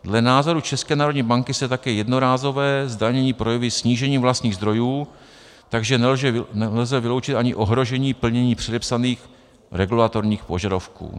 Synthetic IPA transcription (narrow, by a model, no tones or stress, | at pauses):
dlɛnaːzo̞ɾut͡ʃɛskɛːnaːɾo̞d̪ɲiːbaŋkɪsɛt̪akɛːjɛdno̞ɾaːzo̞vɛːzdaɲɛɲiːpɾo̞jɛvɪsɲiːʒɛɲiːmvlast̪ɲiːɣzd̪ɾo̞juː | t̪aɡʒɛnɛlʒɛnɛlzɛvɪlo̞wt͡ʃɪt̪ʔaɲɪʔo̞ɦɾo̞ʒɛɲiːpl̩ɲɛɲiːpr̝̥ɛdɛpsaniːx | ɾɛɡulat̪o̞ɾɲiːxpo̞ʒadafkṵː